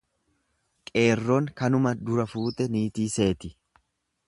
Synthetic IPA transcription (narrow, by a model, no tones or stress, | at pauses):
kʼe̞ːrːoːŋkɐnʊmɐd̪ʊɾɐfuːt̪ɛniːt̪iːse̞ːt̪ɪ